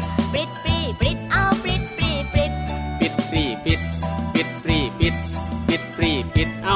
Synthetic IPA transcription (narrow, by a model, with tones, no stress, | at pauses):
pɾi˨˩t̪̚pɾiː˨˩pɾi˨˩t̪̚ʔa˧˥˩wpɾi˧˨˩t̪̚pɾiː˨˩pɾi˨˧˩t̪̚pi˨˩t̪̚pɾiː˨˩pi˨˩t̪̚pi˨˩t̪̚pɾiː˨˩pi˨˩t̪̚pi˨˩t̪̚pɾiː˨˩pi˨˩t̪̚ʔa˧